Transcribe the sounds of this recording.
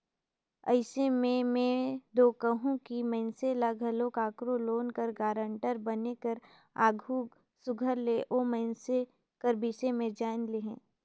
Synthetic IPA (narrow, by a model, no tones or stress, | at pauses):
ə̰ɪsemẽmẽd̪oːkəɦũkimə̃ɪnselaɡʱɐlokaːkɾoloːnkəɾɡaːɾə̃ɳʈəɾbɐnekəɾ | aːɡʱu | sʊɡʱəɾleʔoːməɪnse | kəɾbisemẽd͡ʒaːɪnleɦɛ̃ː